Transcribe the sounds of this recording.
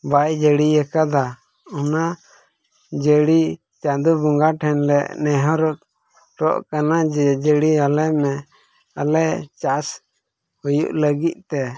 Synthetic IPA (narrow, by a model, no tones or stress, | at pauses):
bajd͡ʒəɽiɛkad̪a | ɔna | d͡ʒəɽi | t͡ʃad̪ubuŋɡaʈʰɛnlɛʔnɛɦɔɾɔt̪ | ɾɔʔkanad͡ʒɛd͡ʒəɽialɛmɛ | alɛt͡ʃas | hujṵʔləɡit̪̚ˀt̪ɛ